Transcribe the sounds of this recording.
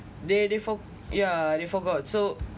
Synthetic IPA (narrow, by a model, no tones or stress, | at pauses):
dedefɔ | jadefɔɡɔt̚so